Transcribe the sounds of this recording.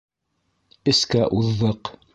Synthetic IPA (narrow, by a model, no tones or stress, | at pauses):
ɘ̆skæʔuðːɤq